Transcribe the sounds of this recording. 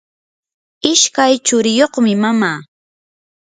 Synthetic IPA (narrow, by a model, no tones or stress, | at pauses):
ɪʃkajt͡ʃʊɾɪjoχmɪmamaː